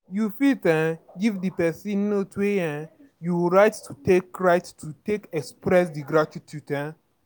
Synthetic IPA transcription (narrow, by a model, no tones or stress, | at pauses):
jufitɛ̃ɡivdipɛsĩnːotweɛ̃ | juɹaɪttutekɹaɪttʰutekɛkspɹɛsdiɡɾatitʰutɛ̃